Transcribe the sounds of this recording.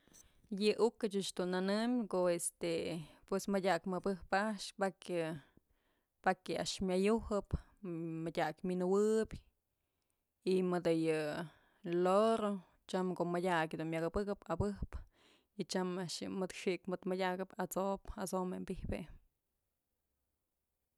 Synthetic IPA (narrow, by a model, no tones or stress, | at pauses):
jɨʔukɨt͡ʃɨt͡ʃd̪unanɨmʲkoest̪epwesmɨdʲakmɨbɨhpaʔʂpakɨ | pakɨa̰ʔʂmʲjajuhɨp | madʲakminɨwɨbʲ | imɨd̪ɨjɨ | loɾo | t͡ʃamkoʔmadʲakʲd̪unmʲakɨbɨkɨpabɨhp | it͡ʃamaʔʂjɨmɨd̪ʂiʔkmɨd̪madʲakɨpat͡sopasomembihpe